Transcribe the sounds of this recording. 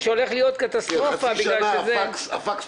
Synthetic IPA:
ʃeo̞le̞χlijo̞t̪kat̪ast̪ʁofabiɡɡlalʃezekafak

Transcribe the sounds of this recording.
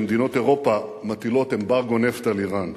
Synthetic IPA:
md̪ino̞t̪eʁo̞pamat̪ilo̞t̪e̞mbaʁɡoneft̪aliʁan

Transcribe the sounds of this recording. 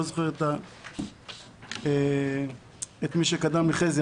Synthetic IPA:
ozoχeʁet̪a | e | et̪miʃekad̪amliχeze

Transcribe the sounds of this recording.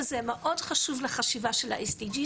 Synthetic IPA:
zemeʔo̞dχaʃuvleχaʃivaʃela̰ʔesdid͡ʒi

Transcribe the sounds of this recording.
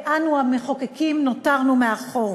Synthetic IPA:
ʔanuameχokekimnotaʁnumeaχoʁ

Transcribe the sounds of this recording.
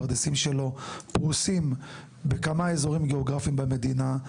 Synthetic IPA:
ʁd̪isimʃelo̞pʁusim | bekamaezo̞ʁimɡeo̞ɡʁafimbame̞d̪ina

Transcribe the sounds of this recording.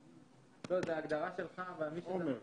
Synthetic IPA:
lozeaːɡd̪aʁaʃelχavaalmiʃoe

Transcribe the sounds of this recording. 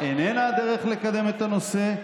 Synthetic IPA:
enenaad̪eʁeχle̞kad̪e̞me̞t̪ano̞se̞

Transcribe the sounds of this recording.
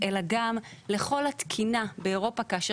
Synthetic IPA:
ʔelaɡamle̞χo̞lhat̪kʰinabe̞ːʁo̞pakaʃ

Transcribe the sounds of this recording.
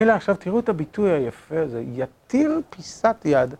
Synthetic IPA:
eleaχʃavt̪iʁuet̪abitujhajafeazejat̪ilpisatjad

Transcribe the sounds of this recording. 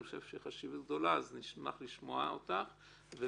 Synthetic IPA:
oʃe̞v̥ʃeχaʃivaɡ̚d̪o̞laazniʃma̰χliʃmoa̰o̰t̪aχ | ve

